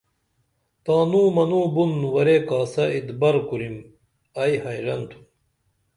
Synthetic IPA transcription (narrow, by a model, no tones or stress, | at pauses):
t̪aːnuːmɐnuːbunwɐɾeːkaːsɐid̪bɐɾkuɾim | ɐjhɐjɾɐnt̪ʰu̥